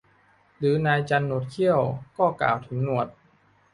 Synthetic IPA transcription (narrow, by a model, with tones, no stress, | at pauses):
ɾɯː˩˦naː˧jt͡ɕa˧nːo˨˩t̪̚kʰi˥˩əwkɔː˥˩ka̰ː˨˩wt̪ʰɯ˩˦ŋnu˧˩ət̪̚